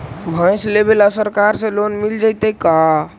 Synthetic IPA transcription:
bʱãj̃slebelasəɾkaɾsẽlonmild͡ʒajt̪ɛka

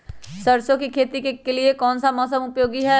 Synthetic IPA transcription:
sɐɾsõkikʰeːt̪ikekeliekɔːnsamɔːsəmʊpjoːɡiɦɛː

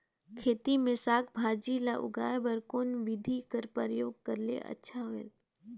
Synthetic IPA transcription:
kʰeːt̪imẽsaːkʰbʱaːd͡ʒilaʔʊ̰ɡa̰ːjbəɾkoːnʋɪd̪ʱikəɾpəɾjoːɡ̚kɐɾlḛʔɐ̰tːʃʰaɦoḛ

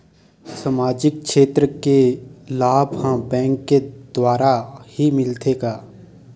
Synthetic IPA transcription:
samaːd͡ʒɪk̚kʃeːt̪ɾəkelaːbhãbɛ̃ːŋkːed̪̥waːɾahimɪlt̪ʰeːɡaː

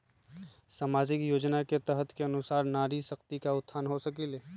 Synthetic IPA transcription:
saːmaːd͡ʒɪkjoːd͡ʒnaket̪əɦət̪ʰkeɐnʊsaːɾnaːɾisɐkt̪ikaʊt̪ʰːaːnɦosəkileː

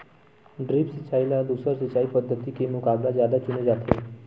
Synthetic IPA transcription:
ɖɾipsit͡ʃailad̪usəɾsət͡ʃaipəd̪ʱːət̪ikemukaɡɾad͡ʒjad̪at͡ʃuned͡ʒat̪ʰḛ

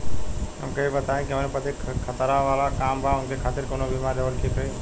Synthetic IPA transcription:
ɦɛ̰mkəibət̪aːẽkiɦəmnepət̪ʰikʰət̪əɾaʋaːlakaːmbʱaɦʊnkʰekʰaːt̪ɪɾkoːnobɪmaɾeʋəkʰikəi

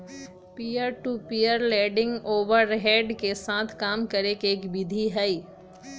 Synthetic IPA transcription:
piːjəɾʈupiːjəɾlɛːɖɪ̃ŋɡoːʋəɾɦɛːɖkesãːt̪ʰkaːmkɐɾekeːkbɪd̪ʱiɦɛi

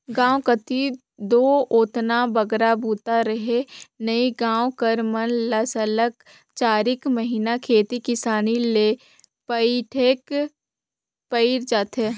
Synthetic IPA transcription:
ɡãːwkət̪i | d̪oːoːt̪nabɐɡɾabʱuːt̪aɾəɦenəiɡãːwkəɾmənləsələk | t͡ʃaːɾɪkməɦiːnakʰeːt̪ikɪsaːnile | pəiʈʰeːk | pəɾd͡ʒaːt̪ɦeː

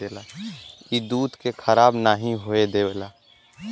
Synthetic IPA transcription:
eːlaːid̪uːt̪kekʰəɾaːbnaːɦĩɦoed̪eʋelaː

